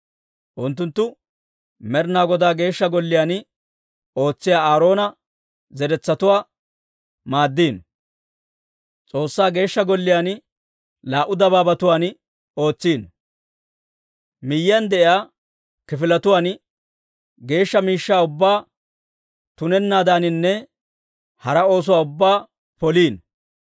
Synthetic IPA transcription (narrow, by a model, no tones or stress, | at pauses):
ʔʊnt̪ːʊnt̪ːʊ | mɛɾnaːɡɔd̪aːɡe̞ːʃːɐɡɔlːɪjaːn | o̞ːt͡sːɪjaːaːɾo̞ːnɐ | zɛɾɛt͡sːɐt̪ʊwaː | maːd̪ːiːn | t͡sʼo̞ːsːaːɡe̞ːʃːɐɡɔlːɪjaːn | laːʔʊd̪ɐbaːbɐt̪ʊwaːn | o̞ːt͡sːiːn | mɪjːɪjɐnd̪ɛʔɪjaː | kɪfɪlɐt̪ʊwaːn | ɡe̞ːʃːɐmiːʃːaːʊbːaː | t̪ʊnɛnːaːd̪aːnɪnːɛ | hɐɾɐo̞ːs̬ʊwaːʊbːaː | pɔliːn